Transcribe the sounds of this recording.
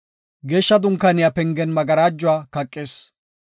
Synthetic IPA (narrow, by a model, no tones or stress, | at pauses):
ɡe̞ːʃːɐd̪ʊŋkːɐnɪjapɛŋɡɛnmɐɡɐɾaːd͡ʒːʊwaːkɐkʼːeːs